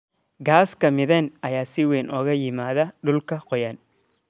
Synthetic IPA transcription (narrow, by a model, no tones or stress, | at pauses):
ɡaːskɐmɪðɛnɐjaːsɪwɛːnʔɔːɣɐjɪmaːðɐɗʊlkʰɐqɔjaːn